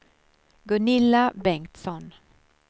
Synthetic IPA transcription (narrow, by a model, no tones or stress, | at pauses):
ɡɵnɪlːabɛŋt̪sɔn